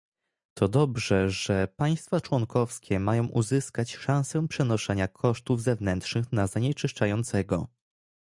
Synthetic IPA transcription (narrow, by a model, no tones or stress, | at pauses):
t̪ʰɔd̪ɔbʐɛʐɛpaj̃st̪fat͡ʂwɔŋkɔfskʲʰɛmajɔ̃w̃ʔuzɘskat͡ɕʂãw̃sɛpʂɛnɔʂɛɲakʰɔʂt̪uvzɛvnɛnt̪ʂnɘxnazaɲɛt͡ʂɘʂt͡ʂajɔnt̪sɛɡɔ̰